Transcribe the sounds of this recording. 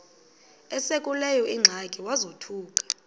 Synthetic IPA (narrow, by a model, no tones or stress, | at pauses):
ɛsekʼulɛjɔʔiŋ͡ǁʱakʼiwazotʰuːkʼḁ